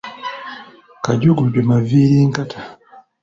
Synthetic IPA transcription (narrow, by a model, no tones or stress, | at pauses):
kaɟuɡuɟɔmaviliŋ̩katʰa